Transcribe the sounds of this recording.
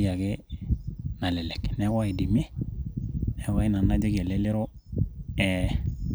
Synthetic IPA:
ja˨kɛ˦ | na˨lɛ˨lɛ˨knɛ˨˦wa˦i˨di˨me˦ | nɛ˨˦wa˦i˦na˨nːa˦d͡ʒe˦ɡe˨le˦lɪ˦ɾo˦ | ɛ˨

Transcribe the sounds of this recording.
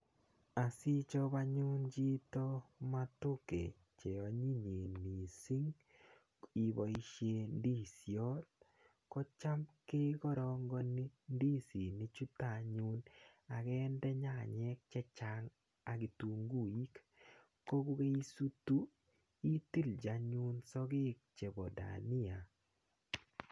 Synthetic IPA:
a˨si˦t͡ʃɔ˦βa˦ɲu˦nd͡ʒi˦tɔ˦ma˦to˦kḛ˨ | t͡ʃe˨ɔ˨ɲi˦ɲe˨ni˨si˦ŋ | i˨βɔ˨i˦ʃe˦ndi˦˨sjɔ˦t̚ | kɔ˦t͡ʃa˦mke˦kɔ˦ɾɔŋɡɔ˦ni˦ndi˦˨si˨nɪ˦t͡ʃu˦ta˨ɲu˦na˨kɛ˦ndɛ˦ɲa̰˦˨ɲɛ˦k̚t͡ʃɛ˦t͡ʃa˦ŋ | a˨ɡɪ˨tu˨ŋɡu˦i˦k | ko˦ku˦ke˦i˦su˦tu˦ | i˦t̪i˦ld͡ʒa˨ɲu˦nsɔ˦ɡɪ˦k̚t͡ʃe˨bɔ˨da̰˨nɪ˦a˨

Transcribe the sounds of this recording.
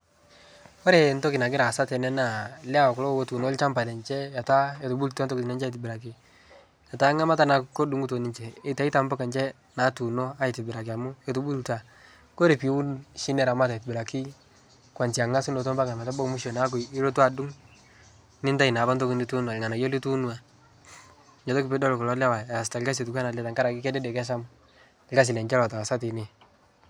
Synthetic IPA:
ɔ˦ɾe˨n˦tɔ˦kɪ˨na˨k̬ɪ˦ɾa˨sa˦tɛ˨nɛ˦na˨lɛ˦a˨kʊ˨lo˦wo˦tu˨no˦lt͡ʃa˦mpa˨lɛ˨nt͡ʃɛ˦ja˨ta˦e˨to˨bu˦lta˦ntɔ˦kti˨na˦nt͡ʃi˨ti˨bɪ˨ɾa˨k̬i˦ | ja˨ta˦ŋa˦ma˦ta˦na˨kko˦du˦ŋu˦to˨ni˦nt͡ʃɛː˨˦ta˦i˦ta˨mba˦ka˨nt͡ʃɛ˦ | na˨tu˨no˦a˦ɪ˨tɪ˨bɪ˨ɾa˨k̬i˨a˨mu˦ɛ˨tu˨bu˦lta˨ | ko˦ɾe˨pwu˦nʃi˦nɛ˨ɾa˨ma˦ta˨tbɪ˨ɾa˨ki˦ | kwa˨nt͡ʃi˨a˨ŋa˦su˦no˨to˦mba˦ŋa˨mɛ˨ta˦bo˦kmu˦ʃo˨na˦ku˨ɪ˦ɾo˦ta˨du˦ŋ | nɪ˦nta˦i˨na˨ba˦nto˦ki˨ni˦tu˦nwa˨ŋa˨na˨jo˦li˦tu˦nu˦a˨ | ɲɔ˨tɔ˦ki˨pe˦dɔ˦lkɔ˨lɔ˨˦la˦wa˨a˨sta˨lka˦s̬e˨tu˨kwa˦na˨lɛ˦ta˨ŋka˦ɾa˨kɪ˦kɛ˦dɛ˦dɛ˨kɛ˦ʃa˦m˨ | lka˦s̬ɪ˨lɛ˨ɲt͡ʃɛ˦lɔ˨tɔ˨a˨sa˦ti˨ni˨

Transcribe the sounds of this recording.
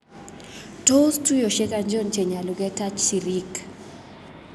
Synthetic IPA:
to˦stu˦jo˨ʃe˦kaɲd͡ʒo˦nt͡ʃe˨ɲa˨lu˨ɡɛ˦ta˦t͡ʃːi˨ɾi˦k

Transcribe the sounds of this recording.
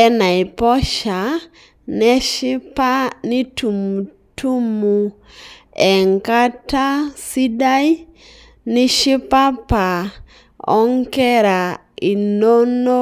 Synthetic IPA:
ɛ˦na˨i˨pɔ˦ʃa˨ | nɛ˦ʃi˦pa˦ni˦tu˨mu˨ | tʰu˦mu˨ | ɛ˨ŋka˦ta˦si˦da˦i˦ | ni˦ʃi˦pa˦pa˨ | ɔ̰˦ŋkɛ˦ɾa˨ | i˨no˦no˦

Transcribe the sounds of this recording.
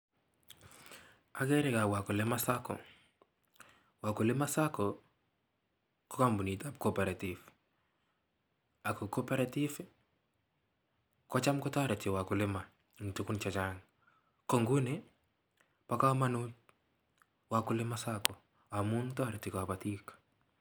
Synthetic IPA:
a˨ɡɛ˦ɾɪ˨ka˨wa˨kʊ˨lɪ˦ma˦sa˦kɔ̰˨ | wa˨kʊ˨lɪ˦ma˦sa˦kɔ˨ | kɔ˦ka˦mbu˨ni˨ta˦p̚ko˦pɛ˨ɾa˨ti˨f | a˨kɔ˨kɔ˦pɛ˦ɾatɪ˦f | kɔ˦t͡ʃa˦mkɔ˦tɔ˦ɾɛ˨tɪ˨wa˨kʊ˨lɪ˦ma˨ | ŋtu˦ku˦nt͡ʃa˨t͡ʃa˦ŋ | ko˨ŋɡu˦ne˦ | pa˦ka˦ma˦nu˦t | wa˨kʊ˦lɪ˦ma˦sa˦kɔ˨ | a˨mu˦ntɔ˦ɾɛ˨tɪ˨kɔ˨pa˨tik

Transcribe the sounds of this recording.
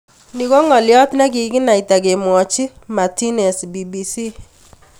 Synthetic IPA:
ni˦ko˦ŋɔ˨ljɔ˦tnɛ˦k̬i˨kɪ˦na˨i˨ta˨ke˨mwɔ˨t͡ʃi˦ma˨ti˦nɛ˨sbi˨bi˨si˦

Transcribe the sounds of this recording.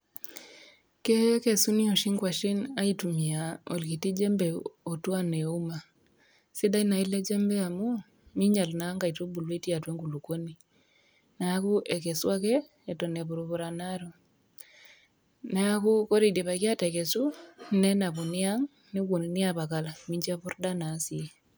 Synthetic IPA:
ke˦ke˨su˦ni˦o˨ʃi˦ŋkwa˨ʃi˦na˦i˦tu˨mi˨a˨o̰˨lki˨ti˦d͡ʒɛ˦mbɛ˨o˨twa˦ne˨u˦ma˨ | si˦da˦i˦na˨i˦le˦d͡ʒɛ˦mbɛ˦a˨mu˦ | mi˦ɲa˨lna˨˦ŋɡa˨i˨tu˦bu˨lwe˦ti˦a˨twe˦ŋɡu˨lu˨ko˦ni | na˨a˦ku˦ʔekɛ˨swa˦kɛː˦ | to˨neβu˨ɾu˨βu˨ɾa˨naɾo˨ | na˦a˦ku˦ko˦ɾi˨de˨βa˨kja˦tɛkɛ˨su˦nɛ˦na˨βu˨nɪ˦a˦ŋ | ni˦k̬o˨ninɪ˦aβa˨kala˨mi˦ɲd͡ʒi˦a˦βu˦rda˦na˦si˨

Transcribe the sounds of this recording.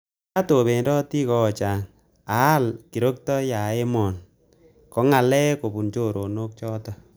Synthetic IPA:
a˦to˨be˨ndɔ˦ti˦kɔ˦˨t͡ʃa˨ŋ | a˨˦lki˨ɾo˦k̚tɔ˦ja˨e˦mɔ˨n | kɔ˦ŋa˨lɛ˦ko˨bu˨nt͡ʃo˦˨ɾo˨no˦k̚t͡ʃɔː˦tɔ˦

